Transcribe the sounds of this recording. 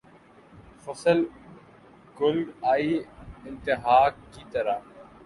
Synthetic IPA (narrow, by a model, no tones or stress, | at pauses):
fɐsəl | ɡʊlaːiːɪ̃nt̪ɪɦaːkːit̪ɐɾaː